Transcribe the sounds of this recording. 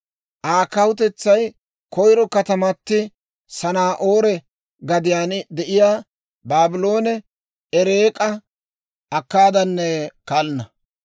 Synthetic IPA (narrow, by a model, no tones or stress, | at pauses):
ʔaːkɐwʊt̪ɛt͡sːɐj | kɔjɾɔkɐt̪ɐmɐt̪ːɪ | sɐnaːʔoːɾɛ | ɡɐd̪ɪjaːnd̪ɛʔɪjaː | baːbɪlo̞ːnɛ | ɛɾeːkʼɐ | ʔɐkːaːd̪ɐnːɛkalnɐ